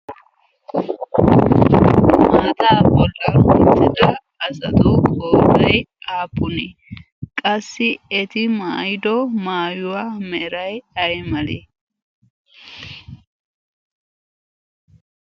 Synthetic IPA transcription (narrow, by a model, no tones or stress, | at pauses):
maːt̪ʼaːbɔlːɐhʊnt̪ːɪd̪ɐː | sɐt̪ɔkʼoːɾɐjaːpːʊnɛ | kʼɐsːɪɛt̪ɪmaːjɪd̪ɔmaːjʊwamɛɾɐjɐjmɐlḛ